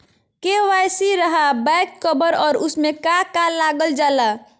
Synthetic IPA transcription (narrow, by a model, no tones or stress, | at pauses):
keʋajsiɾəɦabɛjkːəbəɾɔːɾʊsmẽkakalaɡəld͡ʒaːla